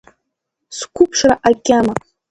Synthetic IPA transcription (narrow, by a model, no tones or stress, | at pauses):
skʷʰupʰʂraʔakʲʼama